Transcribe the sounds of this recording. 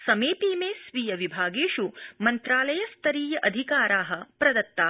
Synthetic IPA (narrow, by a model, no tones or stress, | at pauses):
sɐmeːpiːmeːsʋijɐʋibʱaːɡeːʃumɐnt̪ɾaːlɐjɐst̪ʰɐɾiːjɐʔɐd̪ʱikaːɾaːɦɐpɾɐd̪ɐt̪ːaː